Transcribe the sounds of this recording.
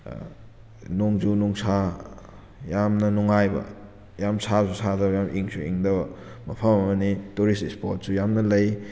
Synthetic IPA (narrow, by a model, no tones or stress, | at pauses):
noŋd͡ʒunuŋsʰa | jamnɐnuŋajbɐ̰ | jamsʰazusadɐbɐjamʔiŋsṵḭŋdɐbɐmɐpʰɐmɐmɐnituɾistespoɾt̚sujamnɐlɐj